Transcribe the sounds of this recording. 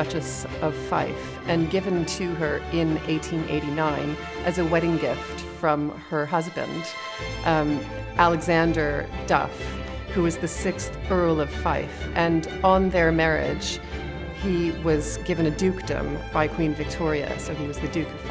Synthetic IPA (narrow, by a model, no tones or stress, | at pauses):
ʌt͡ʃɨs | ʌv̥fa̰ɪf | ɨ̃nɡɪvɨ̃ntʰɨə˞ɪ̃neɪtʰĩnʔḛɪɾinãɪ̃n | ʔɨzɨwɛɾɪ̃ŋɡɪft | fɹʌ̃m | ə˞ɦʌzbɨ̰̃nd̥ | ʔælˠɨɡzæ̃ndə˞d̥ʌ̰f | hʉwʌzðɨsɪksθɜ˞l̩ˠʌv̥faɪfʔɨ̃n | ə̃nðə˞mɛɹɪ̰d̥ʒ̥ | hiwʌzɡɪvɨ̃ñɨdʉkd̥ɨ̰̃mb̥aɪkʰw̥ĩnvɨk̚tʰɔɹiɨ̰soʊiwʌzðɨdʉkʌv̥